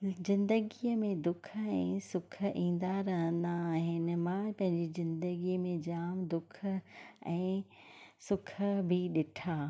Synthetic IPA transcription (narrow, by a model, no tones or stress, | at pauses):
zɪ̃nd̪əɡiəmẽd̪ʊkʰə̆ɛ̃ːsʊk̆ʰĩːn̆d̪aɾɐɦə̃nd̪aːɦɪnɪ̆mãpɐ̃ɦɪ̃ɲd͡ʑizɪ̃nd̪əɡimẽd͡ʑaːmd̪ʊk̆ʰɛ̃ː | sʊkʰə̆bʱɪɗɪʈʰaː